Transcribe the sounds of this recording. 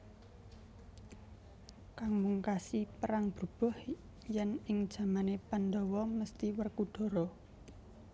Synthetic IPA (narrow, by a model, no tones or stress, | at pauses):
kaŋmuŋkasipəɾaŋb̥ərb̥ɔ̤h | jɛnɪŋd̥ʒ̥a̤manepand̪ɔwɔməst̪iwərkuɖ̥ɔ̤ɾɔ